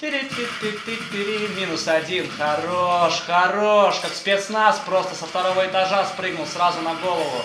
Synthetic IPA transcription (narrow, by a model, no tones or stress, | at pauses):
t̪ɨɾʲɪt̪ʲɪt̪ʲːɪt̪ʲːɨt̪ʲːɪɾʲimʲinʊsɐdʲinxɐroʂxɐɾoʂkakspʲet̪snaspɾo̞st̪əsəft̪ɐɾovəɪt̪ɐʐaspɾɨɡ̚nʊlˠsɾazʊnɐɡo̞lˠəvʊ̰